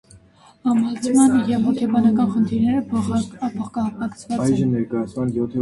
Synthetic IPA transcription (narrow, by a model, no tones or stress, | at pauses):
ɑmɑlt͡sʰmɑnjɛvɦɔkʰʲɛbɑnɑkɑnχənt̪ʰiɾnɛɾəpʰpʰɔχkɑpɑkt͡sʰvɑɑjʒənɛɾkɑjɑt͡sʰmɑnjɔt̪ʰɛ